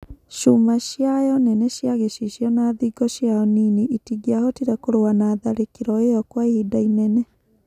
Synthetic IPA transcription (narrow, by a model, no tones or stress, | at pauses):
ʃumaʃjajɔnɛnɛɕjaɣeʃiʃjɔnaːðiɡɔʃjaɔnineʔitiɡiahɔtiɾɛkoɾowanaːðaɾekeɾɔejɔkwaehidainɛnɛ